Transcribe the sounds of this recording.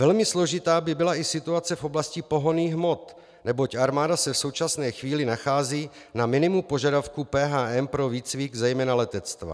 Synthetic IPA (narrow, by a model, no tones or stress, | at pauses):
vɛlmɪslo̞ʒɪt̪aːbɪbɪlaʔɪsɪt̪uat͡sɛfo̞blascɪpo̞ɦo̞niːxɦmo̞t̪ | nɛbo̞caɾmaːdasɛfso̞wt͡ʃasnɛːxviːlɪnaxaːziː | namɪnɪmupo̞ʒadafkupɛːɦaːʔɛmpɾo̞viːt͡sviːɡzɛjmɛːnalɛt̪ɛt͡st̪va̰